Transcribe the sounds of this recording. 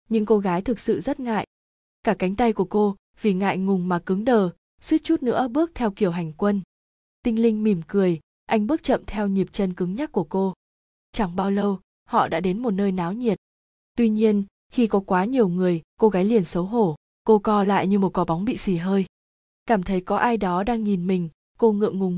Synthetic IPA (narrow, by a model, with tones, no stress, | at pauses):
ɲɨ̰˧˥ŋko˧ɣaː˨˦jt̪ʰɨ˨˩k̚sɨ̰˧˨zə˦˥t̚ŋa̰ː˧˨j | kaː˧˩ka˨˦jŋ̟t̪a˧jku˧˩əko˧ | vi˨˩ŋa̰ː˧˨jŋʊ˨˩ŋ͡mmaː˨˩kɨ˨˦ŋɗəː˨˩ | swi˦˥t̚t͡ɕu˦˥t̚nɨ̰˧˥əɓɨ˦˥ək̚t̪ʰɛ˧wki˨˩əwɦa˨˩jŋ̟kwə˧n | t̪ï˧ŋ̟lï˧ŋ̟mi˨˩mkɨ˨˩əj | ʔa˧jŋ̟ɓɨ˦˥ək̚t͡ɕə̰˧˨mt̪ʰɛ˧wɲi˨˩əp̚t͡ɕə˧nkɨ˨˦ŋɲa˦˥t̚kːu˧˩əko˧ | t͡ɕa˧˩ŋɓaː˧wlə˧w | hɔ̰˧˨ɗa̰ː˧˥ɗe˨˦nmo˨˩t̚nəː˧jnaː˨˦wɲi˨˩ət̚ | t̪wi˧ɲi˧ən | xi˧kɔ˨˦kwaː˨˦ɲi˨˩əwŋɨ˨˩əjko˧ɣaː˨˦jli˨˩ənsə˨˦wɦo˧˩ | ko˧kɔ˧la̰ː˧˨jɲɨ˧mo˨˩t̚kɔ˨˦ɓa˨˦ŋ͡mɓḭ˧˨si˧˩ɦəː˧j | kaː˧˩mt̪ʰə˨˦jkɔ˨˦ʔaː˧jɗɔ˨˦ɗaː˧ŋɲi˨˩nmï˨˩ŋ̟ | ko˧ŋɨ̰˧˨əŋʊ˨˩ŋ